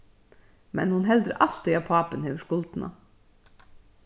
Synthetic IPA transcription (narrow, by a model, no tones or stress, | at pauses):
mɛ̰nhʊnɦɛld̪ɾə̰ʔɑlt̪ɪjɑːpʰɑːpənheːʋəʃkʊlt̪n̩ʔɑ̰